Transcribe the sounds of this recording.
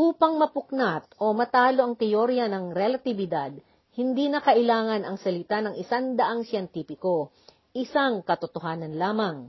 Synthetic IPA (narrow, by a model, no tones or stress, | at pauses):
ʔuːpɐŋmɐpʊknat̪̚ʔo̞mɐt̪aːlo̞ʔɐŋt̪ɛjoɾjɐnɐŋɾɛlɐt̪ɪbɪd̪ad̪̚ | hɪnd̪iːnɐkɐʔɪlaːŋɐnɐŋsɐlɪt̪anɐŋʔɪsaŋd̪ɐʔaŋsjɛnt̪iːpɪko̞ | ʔɪsaŋkɐt̪ot̪oɦaːnɐnlaːmɐŋ